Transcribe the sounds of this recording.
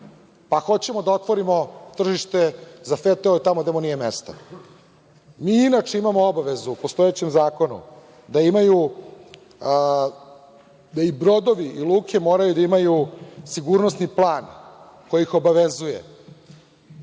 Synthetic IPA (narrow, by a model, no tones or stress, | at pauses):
paxo̞t͡ɕe̞mod̪ao̞t̪ʋo̞ɾimo̞t̪r̩ʒiʃt̪e̞zafet̪eoit̪amod̪emonije̞mest̪a̰ | miːinat͡ʂeimamoobaʋe̞zupost̪o̞et͡ɕemzaːko̞nṵ | d̪aimaju | d̪aibɾo̞d̪o̞ʋiʔilˠuːkʰe̞mo̞ːɾajud̪aimajusiɡuɾno̞sniplˠaːn | ko̞jiixo̞baʋezujḛ